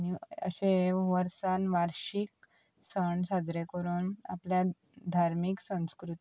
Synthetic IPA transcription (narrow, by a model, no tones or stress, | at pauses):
aniə̰ɕeʋəɾsanʋaɾɕik̚ | səɳsad͡zɾekəɾuːna̰plja | d̪ʱaɾmiksə̃w̃skɾut̪i